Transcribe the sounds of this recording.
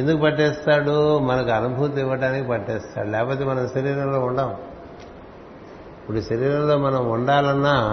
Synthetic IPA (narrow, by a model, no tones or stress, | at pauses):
end̪ukupɐʈːɛːst̪aːɽumɐnɐkuɐnubʱut̪iʋːɐɽaːnikipɐʈːɛːst̪a̰ːɽulɛːkɐpoːt̪eːmɐnɐmʃɐɾiːɾɐmlo̞ːuɳɖaːm | ipːuɽuʃɐɾiːɾɐmlo̞ːmɐnɐmuɳɖaːlɐnːaː